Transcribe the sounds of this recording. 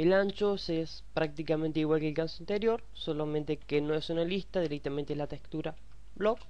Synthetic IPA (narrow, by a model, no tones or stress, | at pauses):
elant͡ʃoses | pɾak̚t̪ikament̪eiɣwalkelkansoint̪eɾjo̞ɾ | solament̪ekenoesunalist̪aðiɾek̚t̪amẽnt̪elat̪ekt̪uɾa | blok